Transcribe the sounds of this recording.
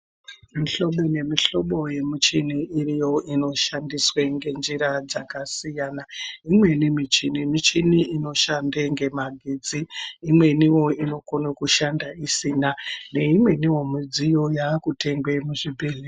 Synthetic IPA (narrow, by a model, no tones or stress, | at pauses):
miɬo̞ɓone̞miɬo̞ɓo̞je̞mut͡ʃiniːrijo̞ino̞ʃandisweŋɡe̞nd͡ʒiɾad͡zakasijaːnaimwe̞nimit͡ʃinimit͡ʃiniino̞ʃandeŋɡe̞maɡʱid͡ziːmwe̞niwo̞ino̞konokuʃandaisiːnane̞imwe̞niwo̞mud͡zijo̞jakute̞ŋɡwe̞muʐibʱeli